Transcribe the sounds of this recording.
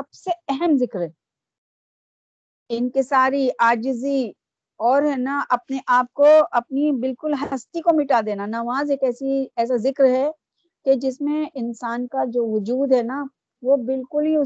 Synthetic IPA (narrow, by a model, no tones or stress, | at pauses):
sɐbseɛɦɛmzɪkɾɦɛ | ɪnkesaːɾiʔaːd͡ʒɪzi | ɔːɾɦɛnaʔɐp̚neʔaːp̚koɐpnibɪlkʊlɦɐɐst̪ikomɪʈad̪eːnanɐʋaːzeːkɛːsiɛːs̬azɪkɾɦɛ | ked͡ʒɪsmẽɪnsaːnkad͡ʒoːʋʊd͡ʒuːd̪ɦɛna | ʋobɪlkʊlɦiʊ